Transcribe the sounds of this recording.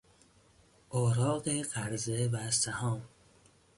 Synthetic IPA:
ʔɒːɾɒːɢeɢæɾzevæsæhɒːm

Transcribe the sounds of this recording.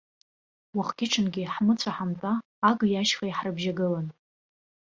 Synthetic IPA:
waχɡʲɪʈ͡ʂʰɨnɡʲiħmɨt͡sʷʰaħamtʼaː | ɡjaʃχajħrɨbʒaɡɨlan

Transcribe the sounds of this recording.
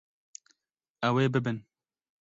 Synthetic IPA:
ɛweːbɨbɨn

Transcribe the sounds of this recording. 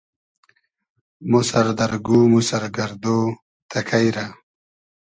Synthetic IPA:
musɐɾd̪ɐɾɡumusɐɾɡɐɾd̪oː | t̪ʰɐkʰajɾa

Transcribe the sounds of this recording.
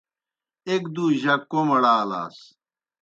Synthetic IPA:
ekd̪uːʑɐkːomɐɽaːla̰ːs

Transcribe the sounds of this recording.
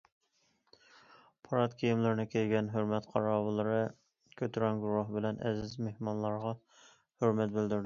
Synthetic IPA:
pʰɑɾɑt̪kʲʰijimlɪɾnɪkʲʰejɡʲɛnɦøɾmɛt̪qʰɑɾɑːwɨlˠɨɾɨ | kʲʰøt̪ʰɾɛnɡuɾɑɦbɪlɛnɛ̰zɪzmehmɑnlˠɑɾʁɑ | høɾmɛt̪̚bɪld̪yɾd̪ɪ

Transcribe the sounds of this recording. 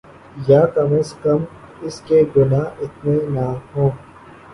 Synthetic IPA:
jaːkɐməskɐm | ɪskeɡʊnaːɪt̪nenaːɦõː

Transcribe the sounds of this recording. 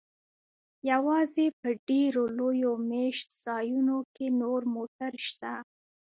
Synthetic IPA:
jawɑzepəɖeɾolojomeʃt̪z̥ɑjunokenoɾmoʈaɾʃt̪a

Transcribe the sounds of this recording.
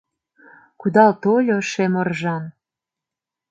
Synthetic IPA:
kud̪ɑlt̪olʲoʃemərʒɑn

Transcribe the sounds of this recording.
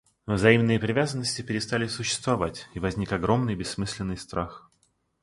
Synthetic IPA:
vzɐimnɨjəpɾʲɪvʲazənːəsʲtʲɪpʲɪɾʲɪst̪alʲɪsʊɕːɪ̥st̪vɐvatʲivɐzʲnʲikɐɡɾo̞mnɨjbʲɪsːmɨsʲlʲɪnːɨjst̪ɾʔax

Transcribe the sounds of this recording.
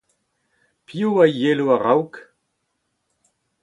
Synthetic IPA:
pʰiuajeluaʁawk

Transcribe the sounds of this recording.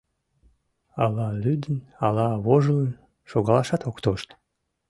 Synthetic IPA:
ɑlɑlyd̪ənɑlɑβoʒələn | ʃoɣɑlˠɑʃɑt̪okt̪oʃt̪

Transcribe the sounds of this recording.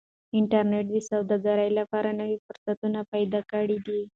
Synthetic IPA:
ɪɳʈaɾneʈ̚d̪əsawd̪ɑɡaɾəjlapɑɾanəwifʊɾsat̪unapajd̪ɑkəɽid̪i

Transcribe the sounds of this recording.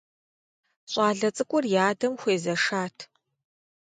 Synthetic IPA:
ɕʼaːɮɐt͡sʼɨkʷʼʊrjaːdɐmxʷeːzɐʂaːtʰ

